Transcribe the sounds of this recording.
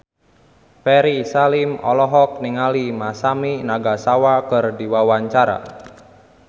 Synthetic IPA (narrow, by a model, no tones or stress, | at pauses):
pɛɾisalimɔ̰lɔɦɔk̚niŋalimasaminaɡasawakərdiwawaɲt͡ʃaɾa̰